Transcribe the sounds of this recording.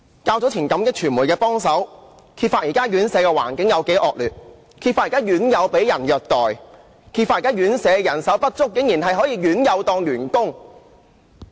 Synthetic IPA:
kaː˧wt͡sɔ˨˥t͡sʰiː˨˩nkɐ˨˧˥mkɪ˥k̚t͡ʃʰyː˨˩nmuː˨˩jkɛː˧pɔː˥ŋsɐ˨˥w | kʰi˧tfaː˧t̚jiː˨kaː˥jyː˨˥nsɛː˨˧kɛː˧wa̰ː˨˩nkɪ˨˥ŋjɐ˨˧wke˨˥jʔɔː˧k̚lyː˨˩t̚ | kʰiː˧t̚faː˧t̚ji˨˩kaː˥jyː˨˥njɐ˨˧wpe˨˥jjɐ˨˩njœː˨k̚t̪ɔː˨˩j | kʰi˧tfaː˧˨ji˨˩kaː˥jyː˨˥nsɛː˨˧jɐ˨˩nsɐ˨˥wpɐ˥t̚t͡sʊ˥k̚ːɪ˨˥ŋjiː˨˩nɦɐ˨jɦɔː˨˥jiː˨˧jyː˨˥njɐ˨˧wt̪ɔː˧ŋlyː˨˩nkʊ˥ŋ

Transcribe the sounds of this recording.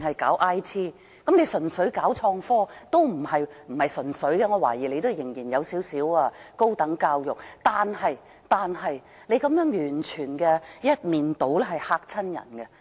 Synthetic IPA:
hɐ˨jkaː˨˥wʔaː˥jt̪ʰiː˥ | kɐ˨˥mne˨˧jsɵ˨˩nsɵ˨˥ɥkaː˨˥wt͡ʃʰɔː˧ŋfɔː˥t̪o˥wm̩˨˩hɐ˨jm̩˨˩hɐ˨jsɵ˨˩nsɵ˨˥ɥɡɛ˧ŋɔ˨˧waː˨˩jiː˨˩le˧jt̪o˥˨˧jɪ˨˩ŋjiː˨˩njɐ˨˧wsiː˨˥wsiː˨˥waː˧ko˥wt̪ɐ˨˥ŋkaː˧wjʊ˨˩k̚t̪aː˨nɦɐ˨j | t̪aː˨nɦɐ˨j | ne˨˧jkɐ˨˥mjœː˨˥ŋjyː˨˩nt͡ʃʰyː˨˩nkɛː˧jɐ˥t̚miː˨nt̪o˨˥wlɛ˥ɦɐ˨jhaː˧k̚t͡sʰɐ˥njɐ̰˨˩nkɛ˧

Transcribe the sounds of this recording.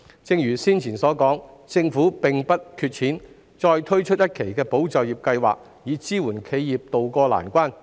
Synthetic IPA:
t͡sɪ˧ŋjyː˨˩siː˥nt͡sʰiː˨˩sɔː˨˥kɔː˨˥ŋt͡sɪ˧ŋfuː˨˥pɪ˨ŋpɐ˥t̚kʰyː˧t̚t͡ʃʰiː˨˥n | t͡ʃɔː˧jt̪ʰɵ˥ɥt͡ʃʰɵ˥jɐ˥t̚kʰe˨˩jkɛː˧po˨˥wt͡sɐ˨wjiː˨˩p̚kɐ˧jwa̰ː˨k̚ | jiː˨˥t͡siː˥wuː˨˩nkʰe˨˧jjiː˨p̚t̪o˨wkɔː˧la̰ː˨˩nkʷaː˥n

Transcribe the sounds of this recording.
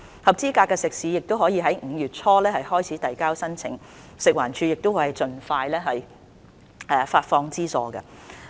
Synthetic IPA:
hɐ˨˩p̚t͡siː˥kaː˧kːɛː˧sɪ˨k̚siː˨˥jɪ˨k̚t̪o˥whɔː˨˥jiː˨˧ɦɐ˨˥jŋ̩ː˨˧jyː˨˩t̚t͡sʰɔː˥lɛː˥hɐ˨jhɔː˥jt͡sʰiː˨˥t̪ɐ˨jkaː˥wsɐ˥nt͡sʰɪ̰˨˩ŋ | sɪ˨k̚waː˨˩nt͡ʃʰyː˨˧jɪ˨k̚t̪o˥wjt͡sɵ˨nfaː˧jlɛː˥ɦɐ˨˩j | ɛː˨faː˧t̚fɔː˧ŋt͡siː˥sɔː˨˧kɐ̰˧

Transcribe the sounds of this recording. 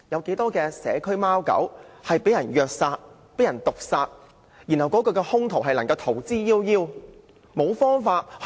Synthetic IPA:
jɐ˨˧wke˨˥jt̪ɔː˥kɛː˧sɛ̰ː˨˧kʰɵ˥ɥmaː˥wkɐ̰˨˥whɐ˨jpe˨˥jɐ˨˩njœː˨k̚saː˧t̚ | pe˨˥jɐ˨˩nt̪ʊ˨k̚saː˧t̚ | jiː˨˩nhɐ˨wkɔː˨˥kɵ˧kɛː˧hʊ˥ŋt̪ʰo˨˩wɦɐ˨jlɐ˨˩ŋkɐ˧wt̪ʰo˨˩wt͡siː˥jiː˥wjiː˥w | mo˨˧wfɔː˥ŋfaː˧t̚h

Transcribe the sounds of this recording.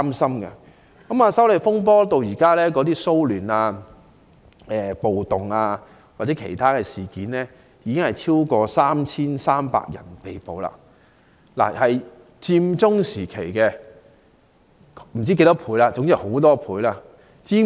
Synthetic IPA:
msɐ˥mkɛ̰˧ | kɐ˨˦maː˧sɐ˨˥wle˨jfʊ˥ŋp̬ɔː˥t̪o˨˧wjiː˨˩kaː˥lɛː˥kɔː˨˥t̪iː˥so˥wlyː˨˩naː˧ | ɛː˨po˨wt̪ʊ˨ŋaː˧ | waː˨˩t͡sɛ˨˥kʰḛ˨˩jt̪ʰaː˥kɛː˧siː˨kiː˨˥nlɛː˥ | jiː˨˧kɪ˥ŋhɐ˨˩jt͡sʰiː˥wkɔː˧saː˥mt͡sʰiː˥nsaː˥mpa̰ː˧k̚jɐ̰˨˩npe˨jpo˨wla̰ː˧ | la̰ː˨˩hɐ˨j | t͡siː˧mt͡sʊ˥ŋsiː˨˩kʰe˨˩jkɛː˧ | m̩˨˩t͡ɕiː˥ke˧jt̪ɔ˥pʰuː˨˥jlaː˧t͡sʊ˨˥ŋjho˨˥wt̪ɔː˥pʰuː˨˥jlaː˧ | t͡siː˧

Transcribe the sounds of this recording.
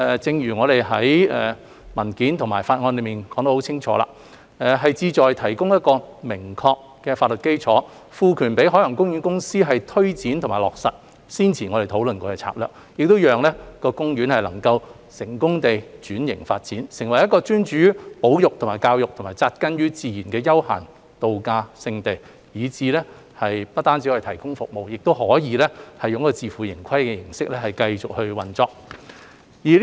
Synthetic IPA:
ɛː˨t͡sɪ˧ŋɥyː˨˩ŋɔː˨˧ɾe˨jɦɐ˨˥jɛ̰ː˨˩ | mɐ˨˩nkiː˨˥nt̪ʰʊ˨˩ŋmaː˨˩jfaː˧t̚ŋɔː˧nle˨˧miː˨nkɔː˨˥ŋt̪o˧˥hwt͡sʰɪ˥ŋt͡ʃʰɔ̰ː˨˧˥la̰ː˧ | ɛː˨˩ɦɐ˨jt͡siː˧t͡sɔː˨jt̪ʰɐ˨˩jkʊ˥ŋjɐ˥t̚kɔː˧mɪ˨˩ŋkʰɔː˧k̚ | kɛː˧faː˧t̚lɵ˨t̚ke˥jt͡ʃʰɔː˨˥ | fuː˨˧kʰyː˨˩npe˨˥jɦɔː˨˥lɐ˨˩ŋkʊ˥ŋjyː˨˥nkʊ˥ŋsiː˥ɦɐ˨jt̪ʰɵ˥ɥt͡siː˨˥nt̪ʰʊ˨˩ŋmaː˨˩lɔ̰ː˨k̚sɐ˨t̚ | siː˥nt͡sʰiː˨˩ŋɔ˨˧ɾe˨jt̪ʰo˨˧˥wlɵ˨nkɔː˧kɛː˧t͡sʰa̰ː˧˥k̚lœː˨˩k̚ | jɪ˨k̚t̪o˥wjœː˨ŋlɛː˥kɔː˧kʊ˥ŋjyː˨˥nhɐ˨jlɐ̰˨˩ŋkɐ˧w | sɪ˨˩ŋkʊ˥ŋt̪e˨jt͡ʃyː˨˥njɪ̰˨˩ŋfa̰ː˧t̚t͡siː˨˥nsɪ˨˩ŋwɐ˨˩jɐ˥tkɔː˧t͡ʃyː˥nt͡ʃyː˨˦˥po˨˥wjʊ˨k̚t̪ʰʊ˨˩maː˨˩jkaː˧wjʊ˨k̚t̪ʰmaː˨˩jt͡saː˧t̚kɐ˥njyː˥t͡siː˧jyː˨˩nkɛː˧jɐ˥wha̰ː˨˩n | t̪o˨wkaː˧sɪ˧ŋt̪e˨˩j | jiː˨˧t͡siː˨˥lɛː˥ | hɐ˨jpɐ˥t̚t̪aː˥nt͡si˨˥wt̪ʰɐ˨˩jkʊ˥ŋfʊ˨k̚mo˨wjɪ˨k̚t̪o˥whɔː˨˥jiː˨˧lɛː˥hɐ˨˩jʊ˨ŋɐ˥kɔ˧t͡siː˨˧fuː˨˩jɪ˨˩ŋkʰɐ˥jkɛː˧jɪ˨˩ŋsɪ˥k̚lɛː˥hɐ˨˩jkɐ˧jt͡sʊ˨k̚hɵ˧ɥwɐ˨nt͡sɔː˧k̚ | jiː˨˩

